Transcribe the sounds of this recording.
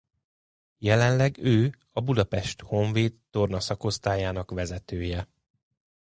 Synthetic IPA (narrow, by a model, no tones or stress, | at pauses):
jɛlɛnlɛɡøː | ɒbud̪ɒpɛʃt̪ho̞ɱveːt̪ːo̞rnɒsɒko̞st̪aːjaːnɒkʋɛzɛt̪øːjɛ